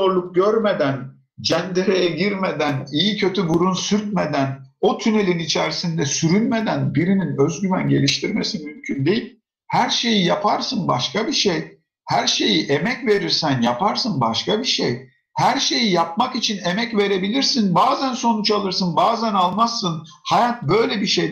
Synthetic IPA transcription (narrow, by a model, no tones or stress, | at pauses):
oɾlˠuk̚ɟøɾme̞d̪æn | d͡ʒænd̪iɾejɛɟiɾmed̪ænijicʰø̞t̪ʰybuɾunsyɾt̪̚me̞d̪æno̞t̪ʰyne̞lʲinit͡ʃʰæɾisind̪ɛsyɾynme̞d̪ænbiɾininøzɟyvænɟe̞lʲiʃt̪ʰiɾme̞simymcʰynd̪e̞jilʲ | hæɾʃe̞jijapʰaɾsɯnbaʃkabiʃej | hæɾʃe̞jiʔe̞mɛcve̞ɾiɾsænjapʰaɾsɯnbaʃkabiʃej | hæɾʃe̞jijap̚makit͡ʃʰine̞mɛcve̞ɾe̞bilʲiɾsinbaːzænso̞nut͡ʃalˠɯɾsɯnbaːzænalˠmasːɯnhajat̪̚bø̞jlʲebiʃej